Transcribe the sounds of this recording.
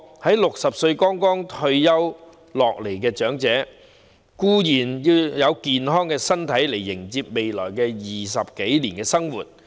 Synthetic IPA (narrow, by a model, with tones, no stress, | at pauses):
hɐ˨˥jlʊ˨k̚sɐ˨p̚sɵ˧ɥkɔː˥ŋkɔː˥ŋt̪ʰɵ˧ɥjɐ˥w | lɔː˨k̚le˨˩jkɛː˧t͡ʃœː˨˥ŋt͡sɛː˨˥ | kuː˥jiː˨˩njiː˧wjɐ˨˧wkiː˧nɦɔː˥ŋkɛː˧sɐ˥nt̪ʰɐ˨˥jle˨˩jːɪ˨˩ŋt͡siː˧p̚me˨jlɔ̰ː˨˩jkɛː˧jiː˨˩s̬ɐ˨p̚ke˨˥jliː˨˩nkɛː˧sɐ˥ŋwuː˨t̚